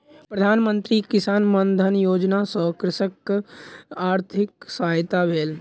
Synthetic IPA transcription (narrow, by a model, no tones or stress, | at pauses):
pɾəd̪ʱaːnmə̃nt̪ɾikɪsaːnmənd̪ʱənjoːd͡ʒnasɔkɾɪsək | aːɾt̪ʰɪksaːjt̪abeːl